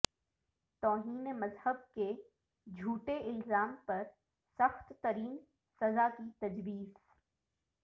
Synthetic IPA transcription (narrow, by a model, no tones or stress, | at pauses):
t̪ɔːɦiːnmɐzhəb̚ke | d͡ʒʱuːʈeʔɪlzaːmpɐɾ | sɐxt̪ːɐɾiːn | sɐzakit̪ɐd͡ʒbiːz